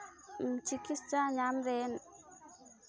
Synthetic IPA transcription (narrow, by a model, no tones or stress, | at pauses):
m̩t͡ʃikist͡ʃaɲamɾɛn